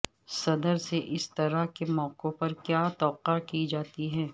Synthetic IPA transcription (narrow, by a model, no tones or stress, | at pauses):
sɐd̪əɾseʔɪst̪ɐɾaɦkemɔːqopɐɾkjaːt̪ɔːqakid͡ʒaːt̪iɦɛː